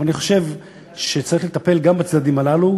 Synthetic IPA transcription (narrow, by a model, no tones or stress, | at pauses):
aniχo̞̥ʃe̞v | ʃe̞t͡saʁiχlet̪ape̞lɡambat͡sdad̪imalalu